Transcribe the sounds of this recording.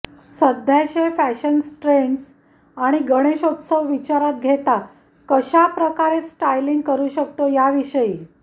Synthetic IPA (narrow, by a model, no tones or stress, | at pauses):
səd̪ʱjaɕefæɕənsʈɾeɳɖs | aɽ̃iɡʱəɽ̃eɕot̪səʋʋit͡ɕaɾat̪̚ɡʱet̪a | kəɕapɾəkaɾesʈajliŋɡkəɾuːɕək̚t̪ojaʋiɕəi